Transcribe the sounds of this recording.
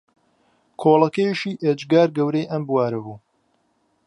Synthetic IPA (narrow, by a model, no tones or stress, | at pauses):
kʰoːlˠɐkɐjeʃiːʔed͡ʒɡaːɾɡɐwɾejʔɐmbwaːɾɐbuː